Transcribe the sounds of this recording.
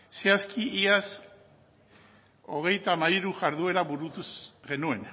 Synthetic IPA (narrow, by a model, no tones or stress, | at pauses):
seaskʰiʔias | o̞ɣ̞e̞jt̪amajɾuʝaɾðue̞ɾaβuɾut̪usɣe̞nue̞n